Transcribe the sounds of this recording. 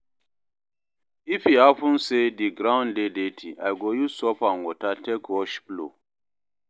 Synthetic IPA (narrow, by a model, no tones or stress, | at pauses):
ifiafũnsediɡɾãʊ̃ndedetʰiʔajɡojusɔpãnwɔtatɛkwɔʃplo̰